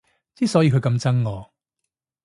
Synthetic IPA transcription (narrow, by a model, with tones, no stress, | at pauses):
t͡siː˥sɔː˨˥jiː˨˧kʰɥkɐ˨˧mt͡sɐ˥ŋːɔː˨˧